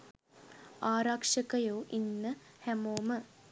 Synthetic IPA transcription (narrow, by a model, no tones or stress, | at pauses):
aːɾakʂəkəjoːʔinːəhæmoːmə